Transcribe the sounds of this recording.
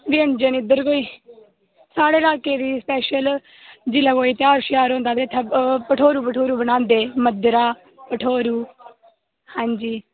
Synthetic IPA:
ʋɪəɳd͡ʒənɪd̪əɾkoːiː | saːɽeːlaːkeːd̪iːspɛːʃəl | d͡ʒɪlaːkoːiːt̪ɪaːɾʃɪjaːɾõːnd̪aːb̪eːt̪ʰːepəʈʰoːɾuːpəʈʰoːɾuːbənãːnd̪eːməd̪ɾaː | pəʈʰoːɾuː | hãːɲd͡ʒiː

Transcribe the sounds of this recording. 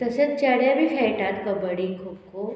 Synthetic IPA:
t̪əset͡st͡ɕaɽjabʱifʰɛjʈat̪kəbəɽiŋkʰub̚kʰo

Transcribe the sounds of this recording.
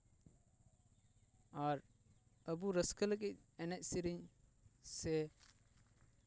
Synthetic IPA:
aɾ | əbuɾəskələk̬ic̚ɛnɛc̚siɾiɲ | sɛ

